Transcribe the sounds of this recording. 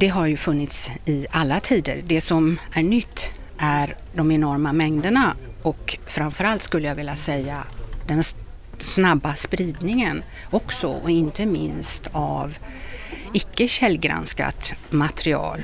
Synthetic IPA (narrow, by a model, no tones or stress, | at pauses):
d̪̥ɛɦaɾjɵfɵnːɪt̪sɪalːat̪ʰiːd̪ə̰ɾɖɛsɔmæɳʏt̪ʰː | ʔæɾ | d̪ɔmɛnɔɾmamɛŋd̪əɳa | ɔkfɾamfœɾalt̪skɵlːəjaɡvɪlːasɛjːad̪ɛn | snabːaspɾiːd̪nɪŋən | ɔksɔ̰ɔɪnt̪əmɪ̰nst̪ʰav | ɪkːəɕɛlːɡɾa̰nska̰t̪mat̪ɛɾɪɑ̰ːl